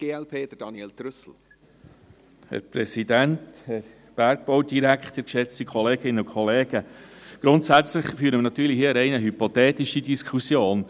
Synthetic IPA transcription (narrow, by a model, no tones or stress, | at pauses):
ɡ̥eːɛlpʰeːd̥̪əd̥ɑniɛːlt̪ɾʏsl̩ | hɛ̰ɾpɾɛsidænthɛɾ | b̥æɾɡ̚b̥owdiɾækχt̪əɾkʃɛt͡stikʰɔleːɡ̥ɪnəʊkʰχɔleːɡ̥əɡ̥ɾʊntsæt͡sləχfyːɾəmnɑt̪yːɾlihiəəɾɛɪnəɦypot̪ɛːtiʃidiskʰχusjoːn